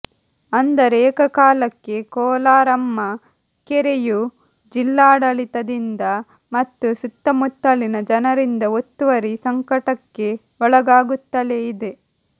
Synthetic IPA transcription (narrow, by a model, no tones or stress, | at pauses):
ɐnd̪ɐɾɛːkɐkaːlɐkːe̞kɔːlaːɾɐmːɐ | keɾeju | d͡ʒilːaːɽɐlit̪ɐd̪ind̪ɐ | mɐt̪ːusut̪ːɐmut̪ːɐlinɐd͡ʒɐnɐɾind̪ɐot̪ːuʋɐɾisɐŋkɐʈɐkːe̞ | ɔɭɐɡaːɡut̪ːɐleid̪e